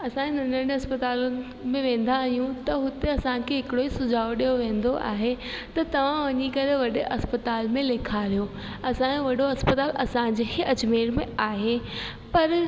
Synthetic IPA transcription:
ɐsãːenɐ̃nə̃ɐspɐt̪aːlʊnɪ̆ | mẽʋẽːn̆d̪ʱaːɦijũt̪ɐɦʊt̪eɐsãkʰeɦɪkɪɽoisʊd͡ʑʱaːoɗijoʋẽːnd̪oʔa̰ːɦe | t̪ɐt̪ɐʋ̤ãʋɐɲikɐɾeʋɐɗɪʔɐspət̪aːlmẽleːkʰaɾijo | ɐsãʋɐɗoɐspət̪aːlɐsãd͡ʑeɦeɐd͡ʑmeːɾmẽaːɦe | pɐɾ

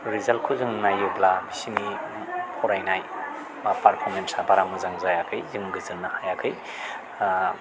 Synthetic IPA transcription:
ɾizalkʰuzɯŋnajublabisini | pʰɔɾajnaj | mapaɾpʰɔɾmensabaɾamuzaŋzajakʰɯjzɯmɡɯzɯlnahajakʰɯj

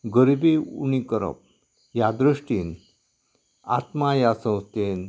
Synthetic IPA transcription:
ɡəɾibeṵñikəɾə̰p̚ | jad̪ɾəʂʈiːn | a̰t̪majasə̃w̃st̪en

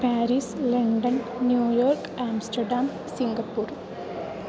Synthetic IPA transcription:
paːɾiːslɐɳɖɐnːjuːjoːrkaːmsʈɐɖaːm | siŋɡɐpːuːr

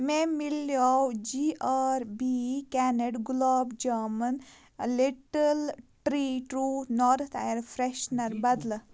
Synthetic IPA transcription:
memiljawd͡ʒiʔaɾbikɛːneɖɡloːbd͡ʒɐːmən | liʈəlʈɾiʈɾuːnɔːɾt̪ʰa̰jɾfʰɾeʃnɐɾbɐd̪l

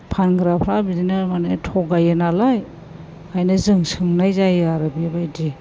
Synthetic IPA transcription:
pʰanɡɾapʰɾabidinamanatʰɔɡajenalaj | ajnɯzɯŋsɯŋnajzajaɾabiabajdi

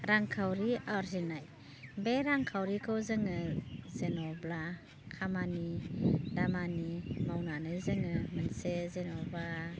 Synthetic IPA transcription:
ɾaŋkʰawɾiaɾzinaj | beɾaŋkʰawɾikʰɯwzɯŋɯzenɔbla | kʰamanidamanimawnanɯzɯŋɯmɯnsezenɔba

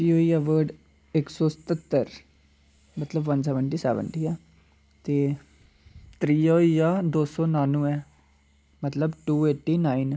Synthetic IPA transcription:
iːoːiːɛːʋəːɖ | ɪksɔːsə̥t̪ət̪ːəɾ | mət̪ləbʋənsɛːʋəɳʈiːsɛːʋə̰ɳʈiːɛː | t̪eː | t̪ɾiːoːiːjaːd̪oːsɔːnaːnũːɛː | mət̪ləbʈuːeːʈːiːnaːin

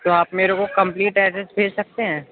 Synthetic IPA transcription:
t̪oaːpmeːɾõkokɐ̃mpliːʈɛːʈəsbʱeːd͡ʒsɐk̚t̪eɦɛ̃ː

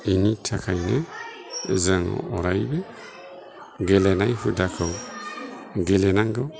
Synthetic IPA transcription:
initʰakʰajna | zaŋɔ̰ɾajbɛ | ɡɛlɛnajhudakʰɔw | ɡɛlɛnaŋɡɔ

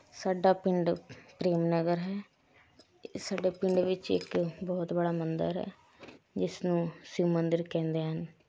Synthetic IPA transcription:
saːɖaːpɪɳɖpɾeːmnəɡəɾɦɛː | saːɖeːpɪɳɖʋɪt͡ʃɪ̰kbɔːt̪bəɽaːmənd̪ə̰ɾɦɛ̰ː | d͡ʒɪsnũːsumənd̪əɾkɛ̃ːnd̪eːɦən

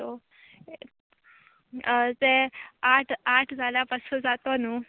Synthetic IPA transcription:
o | d͡zeaʈʰaʈʰd͡zʱaljapəsəd͡zat̪onuː

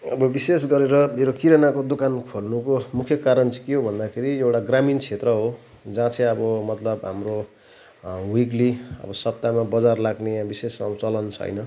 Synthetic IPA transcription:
ʌbʌbisesɡʌɾeɾʌmeɾokiɾʌnakod̪okankʰolnukomukʰjʌkaɾʌnt͡sʰi̥keɦobʱʌnd̪akʰeɾiewʈaɡramint͡sʰet̪rʌɦo | d͡zãt͡sʰʌ̃ʌbʌmʌt̪lʌbɦa̰mro | wikliʌ̰bʌsʌp̚t̪amabʌd͡zarlaɡnebisesmabʌt͡sʌlʌnt͡sʰʌ̰jnʌ

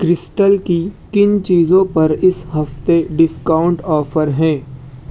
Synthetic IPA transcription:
kɾɪsʈəlkikɪnt͡ʃiːzõpɐɾɪsɦɐft̪eɖɪskaːʊ̃ɳʈɔːfəɾɦɛ̃ː

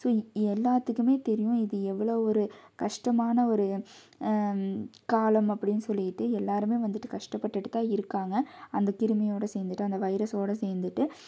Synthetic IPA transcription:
soːɛlːaːt̪ːɯkːɯmeːt̪ɛɾɪjʊ̃ɪðɯɛʋːɐɭoːɔɾɯkɐʂʈɐmaːnɐɔɾɯ | kaːlɐmɐpːɐɽɪnːɯsɔlːɪjɪʈːɯɛlːaːɾɯmeːʋɐnd̪ɯʈːɯkɐʂʈɐpːɐʈːɪʈːɯt̪ːãːɪɾɯkːaːŋɡɐɐnd̪ɐkɪɾɯmɐjoːɽɐseːɾnd̪ɯʈːɯɐnd̪ɐʋɐɪɾɐsoːɽɐseːɾnd̪ɯʈːɯ

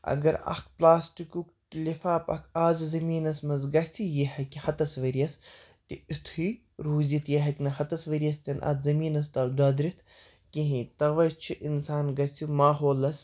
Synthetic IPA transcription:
ɐ̰ɡɐɾɐ̰xt̪̚plaːsʈikʲuk | lʲifaːpɐ̰kʰaːzɨzɐmiːnɐsmɐzɡɐsʲijihɐkʲhɐt̪ɐsʋɐɾiɐs | t̪iit̪ʰi | ɾuːzʲit̪ʰjɐɦɐkʲnɐɦɐt̪ɐsʋɐɾiɐst̪ɐnʔɐ̰t̪zɐmiːnɐst̪ɐd̪ɐd̪ɾit̪ʰ | kiɦĩt̪ɐʋɐt͡ʃʰiʔinsaːnɡɐsʲimaːɦoːlɐs

